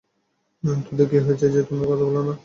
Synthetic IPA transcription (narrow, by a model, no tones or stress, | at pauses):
nant̪od̪ekeɦoet͡ɕʰed͡ʑet̪omakɔt̪ʰabɔlana